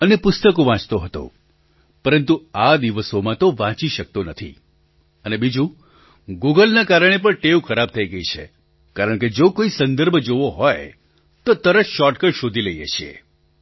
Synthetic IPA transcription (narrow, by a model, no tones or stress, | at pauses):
ənepʊst̪əkoʋãt͡ʃt̪oɦət̪o̰ | pəɾənt̪uad̪iʋəsomãt̪oʋãt͡ʃiʃək̚t̪onət̪ʰḭ | ənebid͡ʒũ | ɡuɡəlnakaɾəɽ̃ep̬əɳʈeʋkʰəɾab̚t̪ʰəiɡəit͡ʃʰḛ | kaɾəɳked͡ʒokoisə̃nd̪əɾbʱd͡ʒoʋoɦɔj | t̪ot̪əɾəʃɔʈkəɽʃod̪ʱiləiḛʃʰiḛ